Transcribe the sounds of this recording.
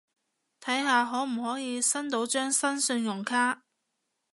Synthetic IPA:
t̪ʰɐ˨˥jɦaː˨ɦɔː˨˥m̩˨˩hɔː˨˥jiː˨˧sɐ˥nt̪̬o˨˥wt͡ʃœː˥ŋsɐ˥nsɵ˧njʊ˨˩ŋkʰaː˥

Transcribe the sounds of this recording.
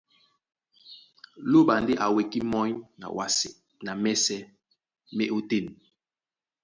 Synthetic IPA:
lo˦ɓa˨nde˦ʔa˨we˨ki˦mɔ˦ɲna̰˨wa˨˦s | na˨mɛ˦sɛ˦ | me˦ʔo˦te˦˨n˨

